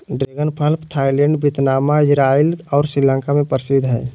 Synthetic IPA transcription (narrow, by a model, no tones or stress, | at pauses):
ɖɾeːɡənpʰəlpt̪ʰaːilɛ̃ɳɖbɪt̪naːmaɪd͡ʒɾaːilɔːɾsɾilə̃ŋkamẽpəɾsɪd̪ʱɦɛː